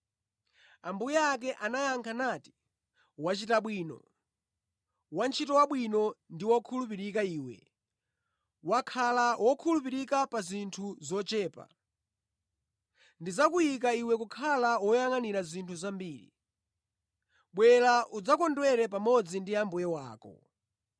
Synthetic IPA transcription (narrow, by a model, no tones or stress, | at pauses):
ambujɛak̬ɛʔanajaŋkʰanaːti̥ | wat͡ʃitaɓwiːnɔ̰ | want͡ʃʰitɔwaɓwinɔndiwɔkʰulupiɾikaiːwɛ̰ | wakʰalawɔkʰulupiɾikapazintʰuzɔt͡ʃɛːpa̰ | ndizakujikaiwɛkukʰalawɔjaŋaniɾazintʰuzambiːɾḭ | ɓwɛlaʔud͡zakɔndwɛɾɛpamɔd͡zindiambujɛwa̰ːkɔ̰